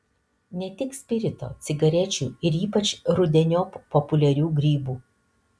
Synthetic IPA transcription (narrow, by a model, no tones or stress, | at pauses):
nʲɛt̪ʲɪksʲpʲɪɾʲɪt̪o̰ːt̪sʲɪɡɐɾʲɛt͡ʃʲṵːɪɾiːpɐt͡ʃɾʊd̪ʲɛnʲoːpɔpʊlʲɛɾʲuːɡɾʲiːbuː